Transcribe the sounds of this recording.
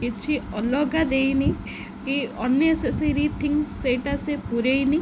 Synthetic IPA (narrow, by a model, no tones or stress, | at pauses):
kit͡ʃʰiɔlɔɡad̪ejni | kiɔnjɔeseseɾit̪ʰiŋsːeʈasepuɾejni